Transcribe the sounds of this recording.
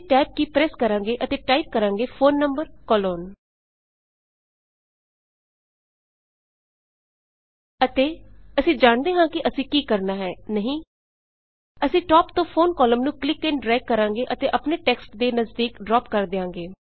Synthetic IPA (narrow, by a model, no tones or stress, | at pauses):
ʈaːɪp̚kiːpɾɛːskəɾãːŋɡeːʔət̪eːʈaːip̚kəɾãːŋɡeːfʰoːnːəmbəɾkɔːloːn | ət̪eːəsĩːd͡ʒaːɳd̪eːɦãːkɪʔəsĩːkiːkəɾnaːɦɛːnəɦĩː | əsĩːʈɔːpt̪õːpʰoːnkɔːləmnũːklɪkːẽnɖɾɛːkːəɾãːŋɡeːʔət̪eːʔəpneːʈɛːksʈd̪eːnəzd̪iːkɖɾɔːpkəɾd̪ɪãːŋɡeː